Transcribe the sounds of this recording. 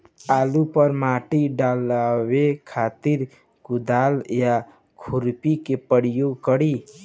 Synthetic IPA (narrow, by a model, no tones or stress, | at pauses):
alupəɾmaʈiɖalawekʰat̪iɾ | kud̪alja | kʰuɾpikepəɽjoɡkəɽi